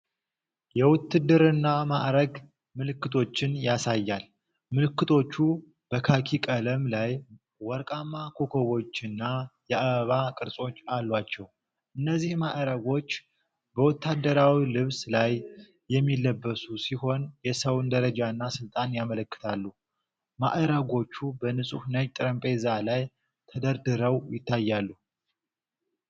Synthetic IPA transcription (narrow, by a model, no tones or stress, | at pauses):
jɛwʊt̪ːɨd̪ɨɾɨnːamaʔɾəɡ | mɨlɨkːɨt̪ʰo̞t͡ʃːɪnjasajːal | mɨlɨkːɨt̪ʰo̞t͡ʃːu | b̥əkʰakʰikʼələmlaj | wɔɾkʼamːakʰo̞kʰo̞βo̞t͡ʃːɨnːajɛʔaβəβakʼɨɾsʼo̞t͡ʃːalːwat͡ʃːɛw | ʔɨnːəzːihmaʔɾəɡo̞t͡ʃː | bəwɔt̪ːad̪ːəɾawilɨβslajː | ɛmːilːəbːəsusiho̞njɛsəwnd̪əɾəd͡ʒaɨnːasɨlt̪ʼanjamələkːɨ̥t̪ʰalːu | ma̰ʔəɾaɡo̞t͡ʃːubənɨsʼuhnəd͡ʒt̪ʼɨɾəmpʼe̞zalaj | t̪ʰəd̪əɾd̪ɨɾəwjɪt̪ʰːajːalːu